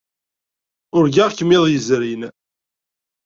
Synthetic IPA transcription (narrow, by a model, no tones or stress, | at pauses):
ʊɾɡaʁkəmːɪðˤjəzɾin